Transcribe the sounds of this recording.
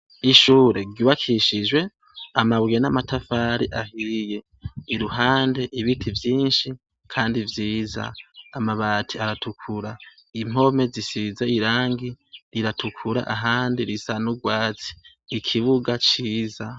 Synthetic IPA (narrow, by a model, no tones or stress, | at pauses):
iʃuːɾe̞ɾɟuβakʰiʃid͡ʒwe̞ | amaβɡenamatʰafaːɾiʔahije̞ | iɾuhaːnde̞ʔiβitʰivjiːnʃi | kʰaːndivjiːza̰ːmaβaːtʰiaɾatʰukʰuɾa | im̥o̞me̞zisizaiɾaːŋɡiɾiɾatʰukʰuɾa̰ʔaɦaːndiɾisanuɡwaːt͡si̥ː | kʰiβuɡat͡ʃiːza